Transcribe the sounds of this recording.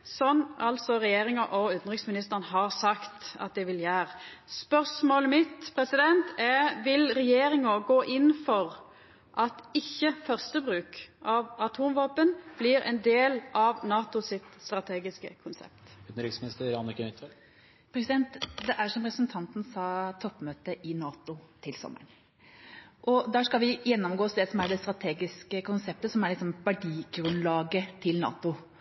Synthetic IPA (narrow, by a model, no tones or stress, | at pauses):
sɔnɑlt̪sɔɾɛjeːɾɪŋɑʔɔʉːt̪n̩ʁɪksmɪnɪst̪əʁnəɦɑʁsɑkt̪ɑ̰t̪̚d̪ɛʋɪljæːʁspœʁsmoːləmɪt̪pʰɾɛsɪd̪ɛnt̪ɛʋɪlɾɛjeːɾɪŋɑɡoːʔɪnːfɔʁ | ʔɑt̪ɪçːəfœʁst̪əbʁʉːkʔɑʋɑt̪ʰuːmʋɑːpənb̥lɪɾʔɛ̰nd̪eːlʔɑʋnɑːt̪ʊsɪt̪st̪ɾɑt̪ʰeːɡɪskəkʰʊnsɛ̰p̚t̪ʉd̪nɾɪksmɪnɪst̪əɾɑnːəkənɪt̪ʰʋɛl | pʰɾɛsɪd̪ɛnt̪d̪ɛʔæɾsɔmpɾɛsnt̪ʰɑnt̪nsɑːt̪ʰɔpːmøːt̪əʔɪnɑːt̪ʊt̪ʰɪlsɔ̰mːə̰ɳ | ʔɔd̪ɑːskɑlʋɪjɛnːɔmɡoːsd̪ɛsɔmæɖɛst̪ɾɑt̪ʰeːɡɪskəkʰʊnsɛp̚t̪əsɔmæɾɭɪksɔmbæɖiːɡɾʉnlɑːɡət̪ʰɪlnɑ̰ːt̪ʊ